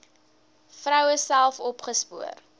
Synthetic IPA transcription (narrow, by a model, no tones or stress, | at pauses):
frœwəsælˠfɔpχəspuər